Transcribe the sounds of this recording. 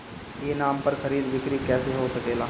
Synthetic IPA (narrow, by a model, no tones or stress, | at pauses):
jeːnaːmpɐɾxʰɐɾiːd̪ʋɪkɾikɛːseɦoːsɐkeːlaː